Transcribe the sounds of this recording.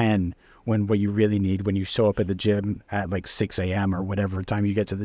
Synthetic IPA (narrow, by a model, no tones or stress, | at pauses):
ɛ̃n | wə̃nwʌt͡ʃɨɹɪlˠinid̚wɨ̃njɨsoʊʌpɨt̪̚ðɨd͡ʒɪ̃mɨt̚ˡlaɪksɪkseɪɛ̃mə˞wʌɾɛvə˞tʰãɪ̃mjɨɡɛtʰɨðɨ